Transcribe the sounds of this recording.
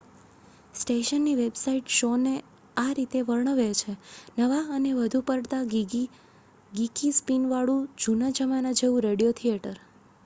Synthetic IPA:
sʈeʃənːiʋebsaiʈʃone | aɾit̪eʋəɾɳ̃əʋet͡ʃʰenəʋaəneʋəd̪ʱupəɾɽt̪a | ɡikispinʋaɭũd͡ʒunad͡ʒəmanad͡ʒeʋũɾeɽijot̪ʰieʈəɾ

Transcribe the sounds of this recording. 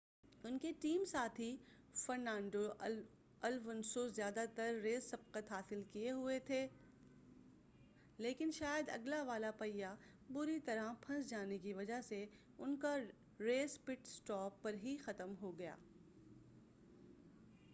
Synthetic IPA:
ʊnkeʈiːmsaːt̪ʰi | fɐɾnãːɳɖo | ɐlʋɐnsozjaːd̪at̪ɐɾːeːzsɐb̚qət̪ɦaːsɪlkieɦʊet̪ʰeː | leːkɪnʃaːjəd̪ɐ̰ɡlaʋaːlapɐja | bʊɾit̪ɐɾãpʰɐ̃nsd͡ʒaːnek̬iʋɐd͡ʒase | ʊnka | ɾeːspɪʈsʈɔːpːɐɾɦixɐt̪əmɦoɡɐja̰ː

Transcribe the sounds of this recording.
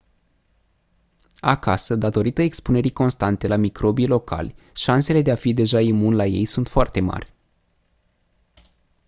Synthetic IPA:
akasəd̪at̪o̞ɾit̪əekspune̞ɾiko̞nst̪ant̪e̞lamikɾo̞bilo̞kʰa̰lʲ | ʃanse̞le̞d̪e̞afid̪e̞ʒaimunlaje̞̰jsunt̪foart̪e̞ma̰rʲ

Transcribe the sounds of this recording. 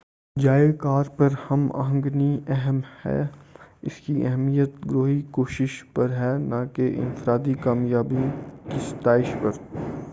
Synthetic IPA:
d͡ʒaːekaːɾpɐɾhɐma̰ɦə̃ŋɡniɛɦəmhɛ̰ːɪ̰skiʔɛɦmijət̪ɡɾoːɦikoːʃɪʃpɐɾɦɛːnakeʔɪ̰̃nfɾaːd̪ikaːmjaːbĩkist̪aːɪʃpɐɾ

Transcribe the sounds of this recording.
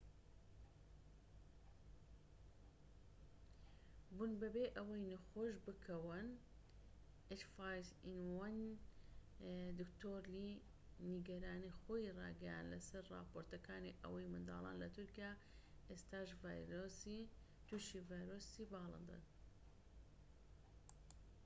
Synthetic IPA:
bunbɐbeːʔɐwɐjnɨxoːʃbɨkʰɐwɨn | et͡ʃfaːjzinwɐn | d̪ɨkt̪ʰoːɾli | niɡɐɾaːnixoːjirɑ̰ːɡɐja̰ːnd̪lɐsɐɾrɑ̰ːpoːɾt̪ɐkaːniʔɐ̰wɐjmɨnd̪a̰ːlˠɑ̰ːnlɐt̪ʰuɾkijaː | ʔest̪aːʃvajɾosi | t̪uʃivaːjɾoːsibaːlˠɨ̰nd̪ɨ̰n

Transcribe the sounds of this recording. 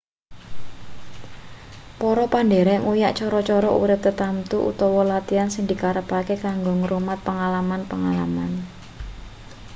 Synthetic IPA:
pɔɾɔpanɖeɾɛŋujaʔt͡ʃɔɾɔt͡ʃɔɾɔṵɾɪp̚t̪ət̪amt̪uʔṵt̪ɔwɔlat̪iansɪŋd̪̥i̤kaɾəpakekaŋɡoŋəɾumat̪̚pəŋalamanpəŋala̰man

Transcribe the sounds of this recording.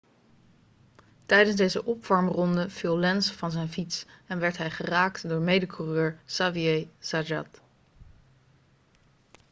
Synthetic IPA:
tɛjdənzdejzəʔɔpfɑɹmrɔndəv̥ilˠlɛnsvɑnzɛjnfitsɛnʋɛɹtɦɛjχəraːktdʊːɹmejdəkʰurøːɹsaviejsad͡ʒɑ̰t

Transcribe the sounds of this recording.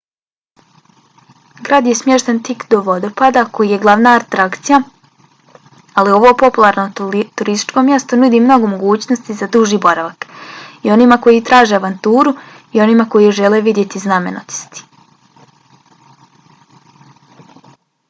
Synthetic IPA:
ɡɾaːd̪je̞smje̞ʃt̪ent̪ikd̪o̞ʋo̞d̪o̞pad̪ako̞jije̞ɡlˠaʋnaat̪ɾakt̪sija | alio̞ʋo̞po̞pulˠaɾno̞t̪uɾist̪i̥t͡ʃko̞mje̞st̪onud̪imno̞ɡo̞mo̞ɡuːt͡ɕnost̪izad̪uʒiːbo̞ɾaʋakio̞nimako̞jit̪ɾaːʒeaʋant̪uːɾu | io̞nimako̞jiʒe̞leʋid̪jet̪izname̞̰no̰t̪i̥st̪i̥

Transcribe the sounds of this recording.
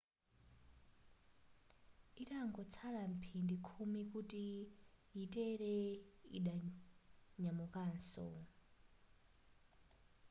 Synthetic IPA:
itaŋɡɔt͡sʰaɺam̩pʰindikʰumikutijitɛɾɛḭɗa | ɲamukaːnsɔ̰

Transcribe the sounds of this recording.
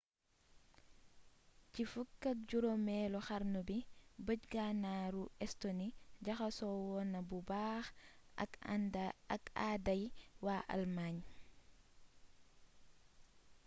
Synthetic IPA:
cifukːak̚ɟuɾomɛːlɔxaɾnubibəɟɡanaɾuɛstoniɟaxasɔwɔnabubaːxa̰dkadajwaʔa̰lmaːɲ

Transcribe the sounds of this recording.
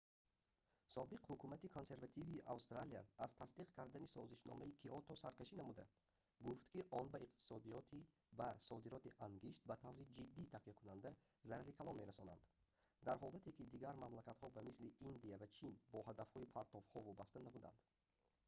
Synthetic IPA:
sɔbiqhukʰumat̪ikʰo̞nse̞ɾvat̪ʰiviʔa̰wst̪ɾaliaːzt̪ʰast̪iqkʰaɾd̪anisɔziʃnɔ̰maikʰiɔt̪ʰɔsaɾkaʃinamud̪a | ɡuft̪kiʔɔnbaiqt̪i̥sɔd̪i | asɔd̪iɾɔt̪iʔaŋɡiʃt̪̚bat̪ʰavɾid͡ʒid̪ːiːt̪ʰaqikʰunand̪a | zaɾaɾikʰalɔnme̞ɾasɔna̰nd̪̥ | d̪aɾɦɔlat̪ʰekid̪iɡaɾmamlakat̪hɔbamisliʔind̪iavat͡ʃʰinbɔhad̪afhɔipʰaɾt̪ʰɔfhɔvɔbast̪anabud̪a̰nd̪̥

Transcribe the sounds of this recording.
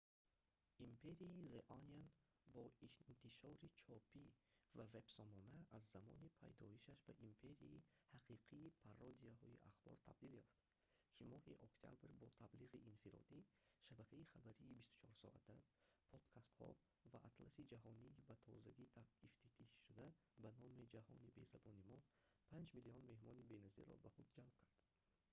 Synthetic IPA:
ʔimpʰe̞ɾiizeʔɔnjan | bɔint̪ʰiʃɔɾit͡ʃʰɔpʰivave̞bsɔmɔnaːzːamɔ̰nipʰa̰jd̪ɔiʃaʃba̰ʔimpʰe̞ɾiḭihaqʰiqʰiːpʰarɔd̪iaɦɔiʔa̰χbɔ̰ɾt̪ʰa̰b̚d̪iljɔft̪ | kʰimɔhiʔɔkt̪ʰia̰bɾbɔt̪ʰabliʁiʔinfiɾɔ̰d̪i | ʃabækʰaiχabæɾiːbist̪u̥t͡ʃʰɔɾsɔ̰ʔa̰t̪ːapʰɔd̪̥kʰast̪hɔ̰ | vaʔat̪ʰlasid͡ʒaɦɔniːbat̪ʰɔzaɡit̪ʰaift̪ʰit̪ʰiʃʃud̪a | banɔmid͡ʒahɔ̰nibe̞zabɔnimɔpʰand͡ʒmiliɔnme̞hmɔnibenazḭɾɔ̰baχud̪d͡ʒalb̚kʰaɾd̪̥

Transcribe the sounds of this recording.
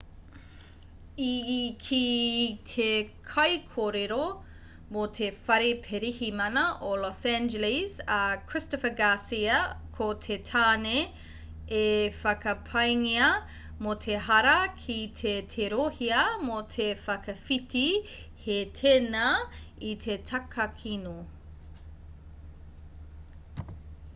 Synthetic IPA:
ikʰitʰekʰɐjkʰoːɾeɾo | motʰefɐɾepʰeɾihimɐnɐʔolɔsænd͡ʒelisɐkʰɹ̥ɪstofəɡasiɐkʰotʰetʰaːne | efɐkɐpʰɐjŋiɐ | motʰeɦɐɾɐkʰitʰetʰeɾohiɐmotʰefɐkɐfitʰihetʰenɐitʰetʰɐkʰɐkʰino

